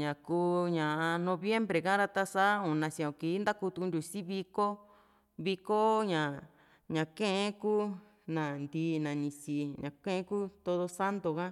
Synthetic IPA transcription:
ɲã˨kuː˦ɲã˨ʔa˧nõ˧βje˦mbɾe˨kã˦ɾa˧t̪a˧sa˦ũ˨nã˧sĩ˧õ˨ki˨˦nd̪a˦ku˧t̪u˧knd̪ʲu˧˨si˦βi˧ko˦ | βi˧ko˦ɲã˨ | ɲã˨kẽ˦ʔẽ˦kuː˦ | nã˨nd̪iː˧˦nã˨nĩ˧si˧ɲã˨kẽ˦ʔẽ˦ku˦t̪o˧ðo˧sa˦nd̪o˨kã˦

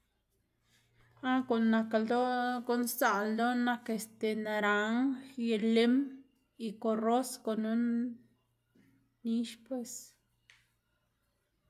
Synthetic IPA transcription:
a˦ko˨nːa˧ka˧ld̪o˦ɡo˦nsa˨ld̪o˦na˧ke˧st̪e˨na˨˧ɾa˨˦ŋje˧le˦m | i˧ko˨ro˦sko˨nu˦n | i˦ʃpwe˧s

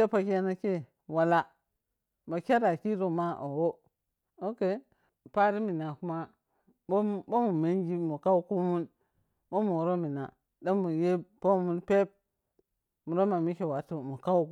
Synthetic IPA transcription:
e˦pa˨ka˦na˦ke˦ | wa˨la˦ | ma˨kʲa˦ɾa˨ki˦ɾo˨ma˦ʔo˨wo˦ | o˦ke˦˨ | pa˦ɾi˦mi˨na˨ku˦ma˦ | bbo˦mu˨me˦nɡi˦mu˨ka˦wku˦mu˦n | bo˦mu˨ɾo˦mi˨na̰˨ | da˦mu˨je˦po˦mu˦npe˦p̚ | mu˨ɾo˦ma˨mi˦ke˨wa˨˦tu˨mu˨ka˦u˦

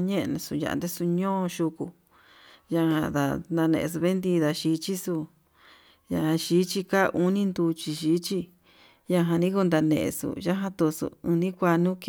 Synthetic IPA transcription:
ɲẽ˦ʔnũ˧˨su˧ja̰˧ʔnd̪e˦su˧ɲõː˦˧ʃu˧ku˧ | ja˧hã̰˧ða̰˧nd̪a˧nḛ̃˧ʔe˧s̬u˧βe˦nd̪i˧ða˧ʃi˧˦t͡ʃi˦su˧ | ja̰˧hã˧ʃiː˨˦t͡ʃi˧ka˦˧ʔu˦nĩ˦nd̪u˧t͡ʃi˧ʃiː˨˦t͡ʃi˧ | ja˧ɦã˧nĩ˦ku˧nd̪a˧nḛ̃˧ʔḛ˧sṵ˧ja˦ɦã˧t̪u˧sṵ˧˨ũ˧nĩ˦kʷa˧nũ˦k

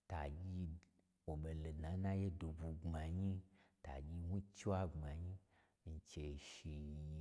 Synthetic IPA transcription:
ta˨ɡʲi˧ | wo˨ɓe˨le˨nã˨˦nã˦je˦do˨bu˧ŋ͡ma˨ɲi˦ta̰˨ɡʲi˧wʷũ˦t͡ʃi˦a˦ŋ͡ma˨ɲi˦ | i˧˨t͡ʃe˧˨ʃi˧ji˧

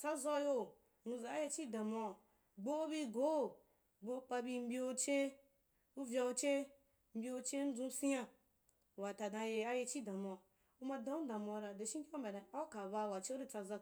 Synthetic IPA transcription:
t͡sa˦zɔ˧jo˧ | nu˧za˨a˦je˧t͡ʃi˦da˨ma˧˨ | ɡ͡bo˦bi˦ɡo˦ | ɡ͡bo˧˦k͡pa˧bi˧m̩˦bʲi˦o˧t͡ʃe˦ | u˦vʲja˧u˧t͡ʃe˦ | m̩˦bʲi˧o˧t͡ʃe˦n̩˦zũ˧si˦ja˧˨ | wa˨ta˨dã˧je˧a˦je˧t͡ʃi˦dã˨ma˧˨ | u˧ma˧dã˦u˦dã˨ma˧ɾa˨de˨ʃi˦ki˦a˦mbʲa˨da˨a˦ka˨ba˧˨wa˨t͡ʃe˦u˦de˦t͡sa˧za˧

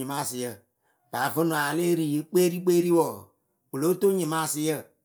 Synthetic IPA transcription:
i˨mã˦˨sɪ˨jə˦˨ | b̥a˨və˦nũ˨a˨le˦ɾi˨je˦k͡peː˦ɾi˦k͡peː˦ɾi˦wɔ˨ | wo˨lo˦to˦ɲĩ˨mã˦˨si˨jə˦˨

